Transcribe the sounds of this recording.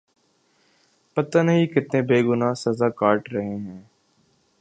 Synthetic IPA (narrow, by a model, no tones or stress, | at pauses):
pɐt̪aːnɐɦĩːkɪt̪nẽːbeːɡʊnaːsɐzaːkaːʈɾəɦẽːɦɛ̃ː